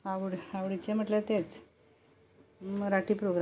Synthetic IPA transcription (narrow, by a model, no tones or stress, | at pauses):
aʋɽaʋɽit͡ɕem̤əʈlet̪et͡s | ɾaʈipɾoɡɾ